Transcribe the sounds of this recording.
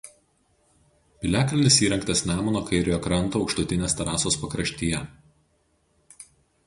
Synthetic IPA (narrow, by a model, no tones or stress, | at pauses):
pʲɪlʲæːklʲɪnʲɪsiːɾʲɛŋkt̪ɐsʲnʲæːmonoːkɐɪɾʲɪjoːkɾɐnˑt̪oːɒʊkʃt̪ʊt̪ʲɪnʲeːst̪ɐɾɑːsoːspɐkɾɐʃʲt̪ʲiːjɛ